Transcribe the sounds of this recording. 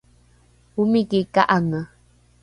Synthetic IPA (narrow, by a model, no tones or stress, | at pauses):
humikikaʔaŋə